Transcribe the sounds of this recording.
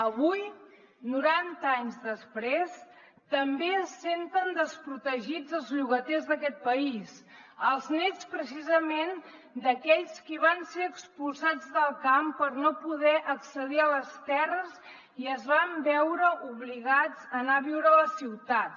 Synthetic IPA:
əβuj | nuɾant̪əaɲzðəspɾes | t̪əmbesent̪ənd̪əspɾut̪əʒid͡zəlˠzʎuɣət̪ɛzðəkɛt̪̚pəis | əlˠznɛt͡spɾəsizəmen | d̪əkɛʎskiβ̞anseɾəkspulˠsad͡zðəlˠkampəɾnopuðɛʔəksəðiələst̪ɛrəz | iəzβambɛwɾəʔuβliɣad͡zənaβiwɾələsiwt̪at̪̚

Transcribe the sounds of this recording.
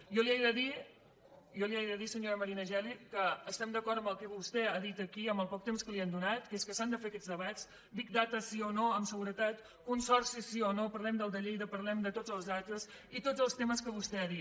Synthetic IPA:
jɔliajðəði | jɔliajðəðisəɲoɾəməɾinəʒɛlikəːst̪ɛmd̪əkɔɾəmbəlˠkɛβust̪ɛaðit̪əkiəmbəlˠpɔk̚t̪emskəliand̪unat̪keskəsand̪əfeəkɛd͡zðəβat͡s | bikd̪at̪əsionoəmsəɣuɾət̪at̪ | kunsɔrsisionopəɾlɛmd̪əlˠd̪əʎejðəpəɾlɛmd̪ət̪od͡zəlˠzðat̪əz | it̪od͡zəlˠst̪eməskəβust̪ɛaðit̪

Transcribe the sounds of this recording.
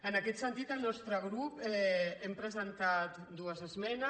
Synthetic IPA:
ənakɛt̪sənt̪it̪əlnɔst̪ɾəɣ̞ɾupɛɛmpɾəzənt̪at̪d̪uəzəzmɛnə

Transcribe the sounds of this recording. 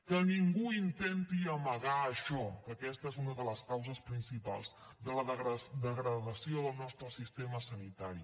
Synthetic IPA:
kəniŋɡuint̪ent̪iəməɣaəʃɔkəkɛst̪əezunəðələskawzəspɾinsipa̰lˠz | d̪ələəɣəd̪əɣɾəðəsioðəlˠnɔst̪ɾəsist̪eməsənit̪aɾi

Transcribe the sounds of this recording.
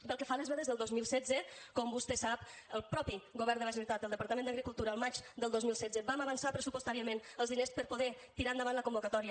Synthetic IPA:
pəlˠkəfaləzβɛðəzðəlˠd̪ozmilˠsɛd͡zəkɔmbust̪ɛsapəlˠpɾɔpiɣuβɛɾrnd̪ələs̬iuwt̪at̪əlˠd̪əpaɾt̪əmẽnd̪əɣɾikulˠt̪uɾəːlˠmat͡ʃd̪əlˠozmilˠsɛd͡zəbaməβənsapɾəsupust̪aɾiəmenəlˠzðinespəɾpoðɛ | t̪iɾand̪əβanləkumbukət̪ɔɾiə

